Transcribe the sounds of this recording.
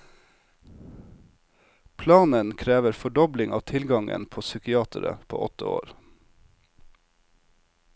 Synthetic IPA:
pʰlɑːnənkʰɾeːʋəɾfɔɖɔblɪŋɑ̰ːʋt̪ʰɪlɡɑŋə̰npʰoːsʏkɪɑːt̪ʰəɾə̰pʰo̰ːʔɔt̪əo̰ːɾ

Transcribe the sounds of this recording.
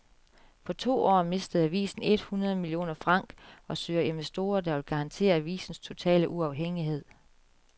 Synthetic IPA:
pʰɒ̽t͡sʰo̝̰ːɒ̰ːme̝sd̥əð̞̩ˠæʋḭːsn̩e̝d̥hunɐð̞ˠmilio̝̰ːnɐfʁɑ̈ŋ̰ɡ̥ɒ̽søːɐe̝nʋesd̥o̝̰ːɐd̥ɑ̈ʋelɡ̥ɑ̈ɑ̈nt͡sʰe̝̰ːɐæʋḭːsn̩st͡sʰo̝t͡sʰɛ̰ːləʔuɑ̈ʊɦeŋ̰iɦe̝ð̞̰ˠ

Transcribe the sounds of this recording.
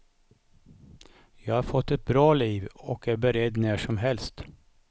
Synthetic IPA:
jæhɑːɾfɔt̪ːɛt̪̚bɾɑːliːʋɔkæɾbɛɾɛd̪næːʂɔmɦɛlst̪

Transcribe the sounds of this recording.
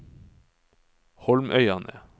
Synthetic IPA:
hɔlmʔœʏɑnʔə̰

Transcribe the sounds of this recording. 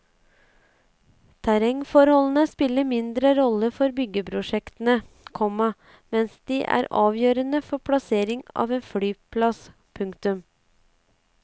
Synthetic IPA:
t̪ʰæɾɛŋfɔɾhɔlən̩əspɪlːəmɪnd̪ɾəɾɔləfɔɾbʏɡəpʰɾʊʂɛkt̪ən̩ə | kʰɔmɑ | mɛnsd̪iːʔæ̰ːɾɑːʋjøːɾənəfɔpʰlɑseːɾɪŋɑ̰ːʋeːnfɽyːpʰlɑs | pʰʉŋkt̪ʉm

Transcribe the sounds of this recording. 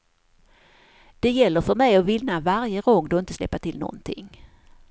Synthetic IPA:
d̪̥ɛjɛlːəɾfœɾmɛjɔvɪlnavaɾjəɡɔŋːd̪ʊɪnt̪əslɛ̰pːaʈɪlnɔ̰nt̪ʰɪ̰ŋː

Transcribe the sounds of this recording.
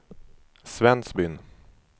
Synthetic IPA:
svɛnsbʏn

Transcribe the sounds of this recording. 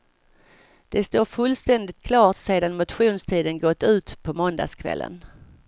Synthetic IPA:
d̪̥ɛst̪oːɾfɵlːst̪ɛnd̪ɪt̪̚kʰlɑːʈseːd̪anmʊt̪ɧuːnst̪ʰiːd̪ənɡɔt̪ːʉ̟ːt̪pʰɔmɔnd̪a̰skʰvɛ̰lːə̰n

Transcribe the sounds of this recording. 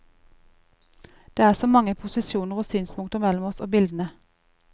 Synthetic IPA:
d̪̥eːæːʁsoːmɑŋəpʰʊsɪsjuːnəʁoːsyːnspʰʊŋt̪əʁmɛlɔmɔso̰ːbɪld̪ən̩ə

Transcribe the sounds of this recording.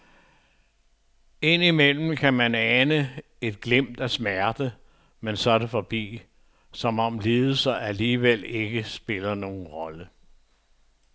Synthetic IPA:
e̝n̰imel̰m̩kʰæmænænə | e̝d̥̚ɡ̥lem̰d̥æsmæɐd̥ə | mensɒ̽dəfɒb̥ḭː | sɒ̽mɒ̽mle̝ːðˠəsɐæliːʋele̝ɡ̥əsb̥e̝lɐno̝ːn̩ʁɒ̽lə

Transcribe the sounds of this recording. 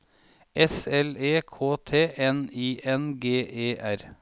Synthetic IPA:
ʔɛsɛleːkʰoːt̪ʰeːʔɛniːʔɛnɡeːʔeːʔæɾ

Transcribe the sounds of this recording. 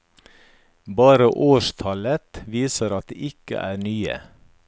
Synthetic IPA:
bɑːɾəʔoːʃt̪ʰɑlət̪ʋiːsəɾɑt̪̚d̪ḛːʔɪkə̰ʔæːnyːə̰

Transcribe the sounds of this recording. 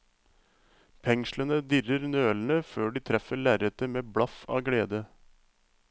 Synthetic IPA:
pʰɛŋʃlənəd̪ɪrəɾnøːlnəføːɖiːt̪ʰɾɛfəɭæːɾət̪əmeːbɽɑfɑ̰ːɡleːd̪ə

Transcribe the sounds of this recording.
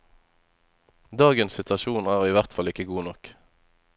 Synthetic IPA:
d̪ɑːɡənssɪt̪ʋɑʃuːnæːʁiːʋæʁt̪fɑlɪkəɡuːnɔk

